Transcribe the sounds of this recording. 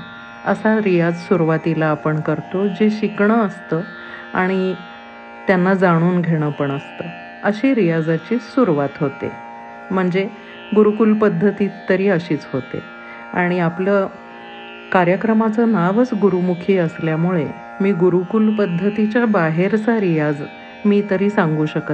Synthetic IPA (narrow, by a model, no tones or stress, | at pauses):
ə̰saɾijad͡zsuɾuʋat̪ilaːpəɳkəɾt̪od͡ʑeɕikɳəːst̪ə | a̰ɽ̃i | t̪janːad͡zaɽ̃uːnɡʱeɽ̃əpəɳəst̪ə | əɕeɾijad͡zat͡ɕiːsuɾuʋat̪ɦot̪ḛ | m̤əɳd͡ze | ɡuɾukulpəd̪ʱːət̪iːt̪ːəɾiːəɕiːt͡sɦot̪ḛ | a̰ɽ̃iaplə | kaɾjəkɾəmat͡sənaʋət͡sɡuɾumukʰiːəsljamuɭe | miːɡuɾukulpəd̪ʱːət̪it͡ɕjabaɦeɾt͡saɾijad͡z | miːt̪əɾiːsaŋɡuːɕəkət̪